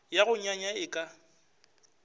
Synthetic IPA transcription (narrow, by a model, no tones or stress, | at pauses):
jaɣʊɲaɲaɪkʼa